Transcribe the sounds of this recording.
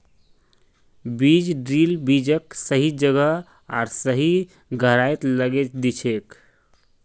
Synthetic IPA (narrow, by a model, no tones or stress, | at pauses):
bid͡ʒɖɾilbid͡ʒəksəɦid͡ʒəɡə | a̰ɾsəɦi | ɡʱəɾajt̪ləɡet͡ʃd̪it͡ʃʰek